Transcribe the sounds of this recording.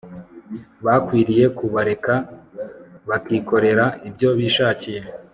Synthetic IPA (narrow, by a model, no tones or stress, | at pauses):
βakwiːɾije̞kuβaɾe̞ka | βakiːko̞ɾe̞ɾaʔibɟo̞βiːʃaːcije̞